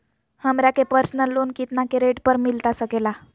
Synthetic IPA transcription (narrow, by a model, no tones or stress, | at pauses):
həmɾjakepəɾsnəlːuːnkit̪nakeɾeʈpəɾmilt̪asəkela